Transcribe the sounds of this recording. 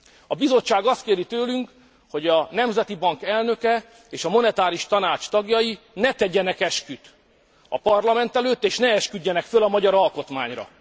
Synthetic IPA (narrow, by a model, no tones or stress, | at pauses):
ɒbizo̞t͡ʃt͡ʃːaːɡɒst̪̚keːɾit̪øːlyŋk | ho̞ɟɒnɛmzɛt̪ibɒŋkɛlnø̞kɛ | eːʃɒmo̞nɛt̪aːɾiʃt̪ɒnaːt͡ʃt̪ɒɡjɒji | nɛt̪ɛɟɛnɛkɛʃkyt̪ | ɒ̰pɒrlɒmɛnt̪ɛløːt̪ːeːʃnɛɛʃkyɟːɛnɛkfølɒmɒɟɒɾɒlko̞t̪ma̰ːɲrɒ̰